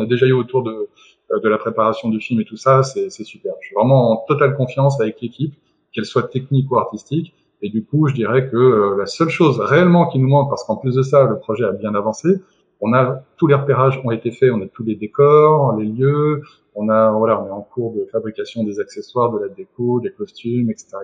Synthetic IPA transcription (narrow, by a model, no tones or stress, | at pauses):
nad̪eʒayot̪uʁd̪ə | d̪əlapχepaʁasjɔ̃d̪yfilmet̪usasɛsɛsypɛʁʃɥivʁɛmɑ̃ɑ̃t̪ɔt̪alkɔ̃fjɑ̃savɛklekʲʰip | kɛlswat̪ɛknikuaʁt̪ist̪ik | ed̪ykuʒəd̪iʁɛkəølasœlʃozʁeɛlmɑ̃kʲinumɑ̃k̚paʁsə̥kɑ̃plys̬d̪əsaləpχɔʒɛabjɛ̃navɑ̃se | ɔ̃nat̪uleʁəpeʁaʒɔ̃et̪efɛɔ̃nat̪uled̪ekɔʁleljø | ɔ̃navwalaɔ̃nɛɑ̃kuʁd̪əfabʁikasjɔ̃d̪ezakseswaʁd̪əlad̪ekod̪ekɔst̪ymɛkse̥t̪eʁa